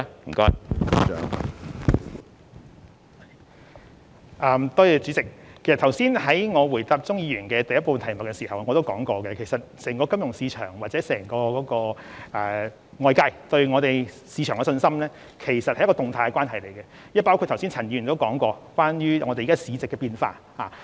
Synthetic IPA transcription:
m̩˨˩kɔː˥jœ̰ː˨˥ŋ | ʔɐː˧mt̪ɔː˥jɛ˧t͡syː˨˥t͡sɪ˨k̚kʰːe˩sɐ˨t̪ʰɐ˨˩wsiː˥nɦɐ˨˥jŋɔː˨˧wuː˨˩jt̪aː˧p̚t͡sʊ˥ŋjiː˨˧jyː˨˩nkɛː˦˧t̪ɐ˨jɐ˥puː˧nt̪ʰjmʊ˨˩kːɛ˧siː˨˩hɐ˨wŋɔː˨˧t̪o˥wkɔː˨˥ŋkɔː˧kɛ˧kʰe˨˩jsɐ˨t̚sɛː˨˩ŋkɔː˧kɐ˥mjʊ˨˩ŋsiː˧t͡ʃʰœ̰ː˨˩ŋwaː˨t̚t͡sɛː˨˥sɛː˨˩ŋkɔː˧kɔː˨˥kɔː˧ʔɛː˨˧ | ŋɔː˧jkaː˧jt̪ɵ˧ɥŋɔː˨˧t̪e˨j | siː˧t͡ʃʰœː˨˩ŋkɛ˧sɵ˧nsɐ˥mlɛː˥ | kʰe˨˩jsɐ˨t̚hɐ˨jkɔː˧ʊ˨ŋt̪ʰaː˧kɛ˧kwaː˥nhɐ˨˩jle˨˩jkɛ˧ | jɐ˥paː˥wkʰu˥˧t̪̚ʰɐ˨˩wsi˥nt͡sʰɐ˨˩ni˧y˨˩t̪o˥wkɔː˨˥ŋkɔː˧kʷwaː˥njyː˥ŋɔː˨˧te˨iː˨˧kaː˥siː˨˧t͡sɪ˨kːɛ˧piː˧nfa̰ː˧t | haː˨˩

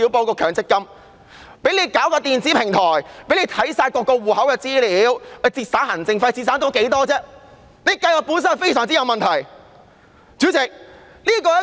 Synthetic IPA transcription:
iː˨˧˥wpoː˧kɔː˧kʰœː˨ŋt͡sɪ˥kːɐ˥m | pe˨˥jnle˨˧jkaː˨˥wkɔː˧t̪iː˨nt͡siː˨˥pʰɪ˨˩ŋt̪ʰɔː˨˩jpe˨˥le˨˧jt̪ʰɐ˨˥jsaː˧jkɔː˧kːɔː˧wuː˨hɐ˨˥wkɛː˧t͡siː˥liː˨˧˥wɐ˨˧jt͡siː˧˩t̚saː˨˥nhɐ˨˩ŋt͡sɪ˧ŋfɐ˧jt͡si˧t̚saː˨˥t̪o˥wke˨˥jt̪ɔː˥t͡sɛː˥ | ne˨˧jkɐ˧jwaː˨˩puː˨˥nsɐ˥nfe˥jsœː˨˩ŋt͡si˥jɐ˨˧wmɐ˨nt̪ʰɐ˨˩j | t͡syː˨˥t͡sɪ˨k̚ | liː˥kɔː˧jɐ˥

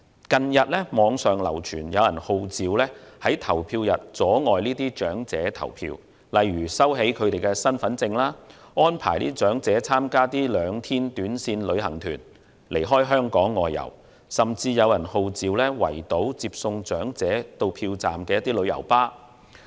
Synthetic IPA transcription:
kɐ˨njɐ˨t̚lɛ˥mɔː˨˧ŋsœː˨ŋlɐ̰˨˩wt͡ʃʰyː˨˩njɐ˨˧wjɐ˨˩nho˨˧wt͡siː˨˧wlɛː˥hɐ˨˥jt̪ʰɐ˨˩wpʰiː˧wjɐ˨t̚t͡sɔː˨˥ŋɔː˨jniː˥t̪iː˥t͡ʃœː˨˥ŋt͡sɛː˨˥t̪ʰɐ̰˨˩wpʰḭː˧w | lɐ˨jɥyː˨˩sɐ˥wɦe˨˥jkʰɵ˨˧ɥt̪e˨jkɛː˧sɐ˥nfɐ˨˥nt͡sɪ˧ŋlaː˥ | ɔː˥npʰaː˨˩jniː˥t͡ʃœː˨˥ŋt͡sɛː˨˥t͡sʰaː˥mkaː˥t̪iː˥lœː˨˧ŋt̪ʰiː˥nt̪yː˨˥nsiː˧nlɵ˨˧ɥɦɐ˨˩ŋt̪ʰyː˨˩n | lʔe˨˩jɦɔː˥jɦœː˥ŋkɔː˨˥ŋːɔː˨jːɐ̰˨˩w | sɐ˨mt͡siː˧jɐ˨˧wjɐ˨˩nho˨˧wt͡siː˨˧wlɛː˥wɐ̰˨˩jt̪o˨˥wt͡siː˧p̚sʊ˧ŋt͡ʃœː˨˥ŋt͡sɛː˨˥t̪o˧wpʰiː˧wt͡sa̰ː˨mkɛː˧jɐ˥t̪iː˥lɵ˨˧ɥjɐ̰˨˩wpaː˥

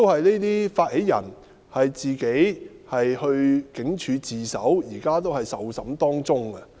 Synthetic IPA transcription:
to˥whɐ˨jne˥t̪iː˥faː˧t̚he˨˥jjɐ̰˨˩n | hɐ˨jt͡siː˨ke˨˥jhɐ˨jhɵ˧ɥkɪ˨˥ŋt͡ʃʰyː˨˧t͡siː˨sɐ̰˨˥wjiː˨˩kaː˥t̪o˥whɐ˨jsɐ˨˥wsɐ˨˥mt̪ɔː˥ŋt͡sʊ˥ŋɐ˧

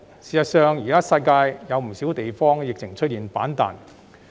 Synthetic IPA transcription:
siː˨˩sɐ˨t̚sœː˨ŋjiː˨˩kaː˥sɐ˧jkaː˧jjɐ˨˧wm̩˨˩siː˨˥wt̪e˨jfɔː˥ŋjɪ˨k̚t͡sʰɪ˨˩ŋt͡ʃʰɵ˥t̚jiː˨npaː˨˥nt̪a̰ː˨n

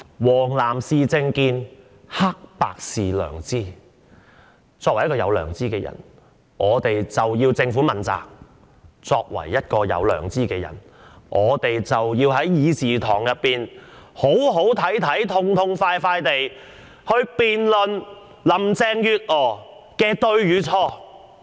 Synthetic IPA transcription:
wɔː˨˩ŋlaː˨˩msiː˧t͡sɪ˧ŋkiː˧n | ha˥k̚pa̰ː˨k̚siː˨˩lœ̰ː˨˩ŋt͡siː˥ | t͡sɔː˧k̚wj̚kːɔː˧jɐ̰˨˧wlœː˨˩ŋt͡siː˥kɛː˧jɐ̰˨˩n | ʔɔː˨˧t̪e˨jt͡sɐ˨wjiː˧wt͡sɪ˧ŋfuː˨˥mɐ˨˩nt͡sa̰ː˨k̚ | t͡sɔː˧k̚wɐ̰˨˩jːɐ˥t̚kɔː˧jɐ̰˨˧wlœ̰ː˨˩ŋt͡siː˥kɛː˧jɐ̰˨˩n | ŋʔɔː˨˧t̪e˨jt͡sɐ˨wjiː˧wɦɐ˨˥jjiː˨˧siː˨˩t̪ʰɔː˨˩ŋjɐ˨t̚pːiː˨nho˨˥wɦo˨˥wt̪ʰɐ˨˥jt̪ʰɐ˨˥jt̪ʰʊ˧ŋt̪ʰʊ˧ŋfaː˧jfaː˧jt̪e˨j | hɵ˧ɥpiː˨nlɵ˨n | lɐ˨˩mt͡sɛː˧ŋjyː˨˧t̚ɔː˨˩ | kɛː˧t̪ɵ˧ɥjyː˨˧t͡sʰɔː˥

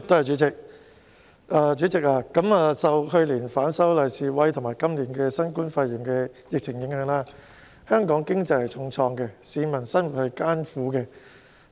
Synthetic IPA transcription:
t̪ːhɐ˨˩jt͡ʃy˨˥t͡sɪ˨k̚ | ʔaː˧t͡ʃyː˨˥t͡sɪ˨k̚aː˧kɐ˨˥maː˨˧sɐ˨whɵ˧ɥliː˨˩nfaː˨˥nsɐ˥wlɐ˨˩jsiː˨˧wɐ˨˥jt̪ʰʊ˨˩ŋmaː˨˩jkɐ˥mliː˨˥nkɛː˧sɐ˥nkuː˥nfa˧ji˨˩ŋkɛː˧jɪ˨k̚t͡sʰɪ˨˩ŋjɪ˨˥ŋhœː˨˧˥ŋlaː˥ | hœː˥ŋkɔː˨˥ŋkɪ˥ŋt͡sɐ˧jhɐ˨˩jt͡sʰʊ˧ŋt͡sʰɔː˧ŋkɛ˧siː˨˧mɐ˨˩nsɐ˥nwu˨t̚hɐ˨jkaː˥nfuː˨˥kɛ˧

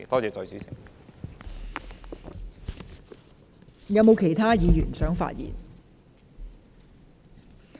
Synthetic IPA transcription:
t̪ɔː˥t͡sɛː˨˧t͡sɵ˧ɥsi˨˥t͡sʰɪ̰˨˩ŋ | jɐ˨˧wmo˨˧wkʰe˨˩jt̪ʰaː˥jiː˨˧jyː˨˩nsœː˨˥ŋfa̰ː˧t̚jḭː˨˩n

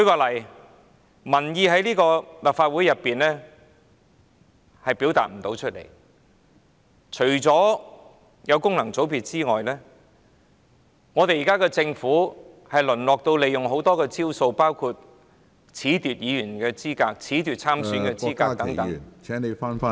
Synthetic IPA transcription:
kɵ˨˧˥kɔː˧lɐ˨˩j | mɐ˨˩njiː˧ɦɐ˨˥jliː˥kɔː˧lɐ˨p̚faː˧t̚wuː˨˥jɐ˨pːiː˨nlɛː˥ | hɐ˨jpi˨˥wt̪a̰ː˨t̚m̩˨˩t̪o˨˧˥wt͡ʃʰɵ˥t̚lḛ˨˩j | t͡ʃʰɵ˨˩ɥt͡sɔː˨˥ | jɐ˨˧wkʊ˥ŋlɐ˨˩ŋt͡so˨˥wpiː˧t̚t͡siː˥ŋɔː˨jlɛː˥ | ŋɔː˨˧t̪e˨ji˨kaː˥kɛː˧t͡sɪ˧ŋfuː˨˥ | hɐ˨jlɵ˨˩nlɔː˨k̚t̪o˧wle˨jʊ˨˩ŋɦo˨˥wt̪ɔː˥kɛː˧t͡siː˥wso˧wpaː˥wkʰu˧t̚ | t͡sʰiː˨˥t̪yː˨t̚jiː˨˧jyː˨˩nkɛː˧t͡siː˥kaː˧k̚t͡sʰiː˨˥t̪yː˨˩t̚t͡sʰaː˥msyː˨˥nkɛː˧t͡siː˧˥kaː˧t̪ɐ˨˥ŋt̪ɐ˨˦˨nʰɛ˨˦ne˨˧faː˥nː˥

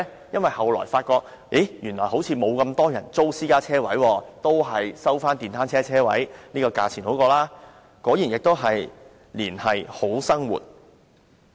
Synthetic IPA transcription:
jɐ˥nwɐ˨˩jhɐ˨wlɔ̰ː˨˩jfaː˧t̚kɔː˧k̚ | i˨˥jyː˨˩nlɔː˨˩jho˨˥wt͡sʰiː˨˧mo˨˧wkɐ˧mt̪ɔː˥jɐ˨˩nt͡so˥wsiː˥kaː˥t͡sʰɛː˥wɐ̰˨˥jwɔː˧t̪o˥wɦɐ˨jsɐ˥wfaː˥nt̪iː˨˩nt̪ʰaː˥nt͡sʰɛː˥t͡sʰɛː˥wɐ̰˨˥jniː˥kɔː˧ka̰ː˧t͡sʰiː˨˩nho˨˥wkɔː˧laː˥ | kɔː˨˥jiː˨˩njɪ˨k̚t̪o˥wɦɐ˨j | liː˨˩nhɐ˨jho˨˥wsɐ˥ŋwṵ˨t̚

